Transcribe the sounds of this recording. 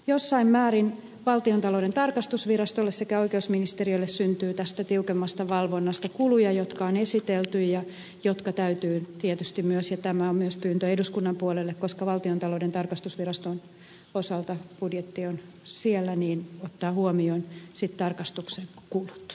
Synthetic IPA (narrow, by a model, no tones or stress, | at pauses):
josːɑimmæːɾin | ʋɑlt̪iont̪ɑloudent̪ɑrkɑst̪usʋirɑst̪olːessekæoikeusminist̪eriolːessynt̪yːt̪æst̪æt̪iukemːɑst̪ɑʋɑlʋonːɑst̪ɑkulujɑjot̪kɑonesit̪elt̪yjjɑ | jot̪kɑt̪æyt̪yːt̪iet̪yst̪immyøsjɑt̪æmæommyøspyːnt̪øeduskunːɑmpuolelːekkoskɑʋɑlt̪iont̪ɑloudent̪ɑrkɑst̪usʋirɑst̪on | osɑlt̪ɑb̥udjet̪ːion | sielːæniːnot̪ːɑːhuomionsit̪t̪ɑrkɑst̪ukseŋkulu̥t̪